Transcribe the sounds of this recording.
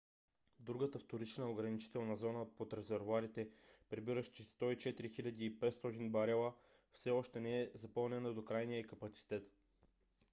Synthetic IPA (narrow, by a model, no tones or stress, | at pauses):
d̪ɾuɡət̪əft̪oɾit͡ʃnəoɡɾɐnit͡ʃi̥t̪ɛlˠnɐzɔnəpot̪ɾɛzɛɾvoaɾit̪ɛpɾɛbiɾəʃt͡ʃɛst̪ɔit͡ʃɛt̪ɾixilʲɐd̪iːpɛt̪st̪ɔt̪inbɐɾɛlˠə | fsɛɔʃt̪ɛnɛɛzɐpɤlˠnɛnəd̪okɾajnijəikɐpɐt̪si̥t̪ɛt̪